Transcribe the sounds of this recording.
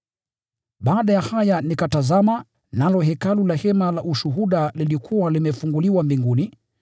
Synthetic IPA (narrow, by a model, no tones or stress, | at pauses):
ɓaːɗajahajanikatazama | nalɔɦɛkalulahɛmalaʔuʃuɦuɗalilikʰuwalimɛfuŋɡuliwambiŋɡuni